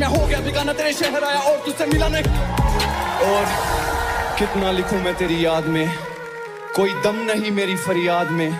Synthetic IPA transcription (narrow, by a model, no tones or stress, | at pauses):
mɛ̃ɦoɡɐjabʱɪkanãt̪eːɾeʃɛɦəɾaːjaɔːɾt̪ʊsemɪlanɐɦĩ | ɔːɾ | kɪt̪nalɪkʰũmɛ̃t̪eːɾijaːd̪mẽ | koːid̪ɐmnɐɦĩmeːɾifɐɾjaːd̪mẽː